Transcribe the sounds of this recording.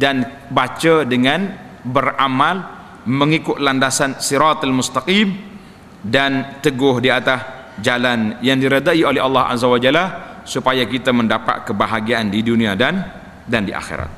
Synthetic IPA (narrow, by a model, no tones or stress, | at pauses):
dan | bat͡ʃadəŋan | bəramal | məŋikʊt̪̚landasansiɾat̪almʊst̪aqim | dant̪əɡʊhdiat̪as | d͡ʒalanjaŋdiɾədaiolɛhɑlːɑɦʔa̰zawad͡ʒala | supajakit̪aməndapa̰t̪̚kəbaɦaɡiandiduniadan | dandiʔa̰xḛɾa̰t̪̚